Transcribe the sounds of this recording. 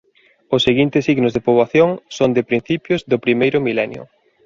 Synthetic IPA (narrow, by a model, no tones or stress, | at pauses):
ʊsːeɣint̪ɪsiɣnʊzðepoβwaθjoŋsond̪ɪpɾin̟θipjʊzðʊpɾimejɾʊmilɛnjʊ̰